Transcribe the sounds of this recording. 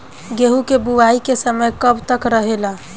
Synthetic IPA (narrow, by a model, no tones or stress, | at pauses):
ɡeɦukebuʋaikesəməjkəbt̪əkɾəɦela